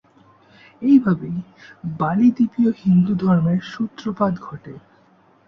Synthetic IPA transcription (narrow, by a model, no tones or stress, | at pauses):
ejbʱabejbalid̪ipiohind̪ud̪ʱɔɾmeɾʃut̪ːɾopad̪ɡʱɔʈe